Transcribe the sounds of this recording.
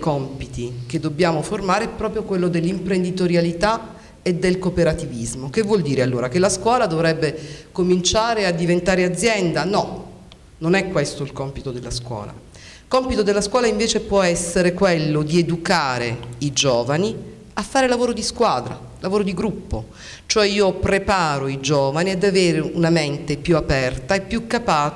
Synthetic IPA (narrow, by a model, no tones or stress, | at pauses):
kɔmpit̪ik̟ed̪ːobːjaːmoformaːɾeɛpːɾɔːpɾjokwelːod̪elːimpɾend̪it̪oɾjalit̪a | ed̪ːelkopeɾat̪ivizmokevːwɔld̪iːɾealːoːɾakelːaskwɔːlad̪ovɾɛbːekomint͡ʃaːɾead̪ːivent̪aːɾead̪zːjɛnd̪anɔ | nonɛkːwest̪oilkɔmpit̪od̪elːaskwɔ̰ːla̰ | kɔmpit̪od̪elːaskwɔːlaiɱveːt͡ʃepwɔɛsːeɾekwelːod̪ied̪ukaːɾeid͡ʒɔːvani | afːaːɾelavoːɾod̪iskwaːd̪ɾa̰ | lavoːɾod̪iɡɾupːo | t͡ʃoɛiːopɾepaːɾoid͡ʒɔːvaniad̪aveːɾeunament̪epjuapɛrt̪aepːjukːapaː